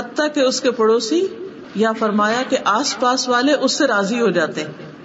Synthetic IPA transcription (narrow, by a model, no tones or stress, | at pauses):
ɐt̪ːakeʊskepɐɽoːsi | jafɐɾmaːjakeʔaːspaːsʋaːleʔʊsːeɾaːziɦod͡ʒaːt̪eɦɛ̃ː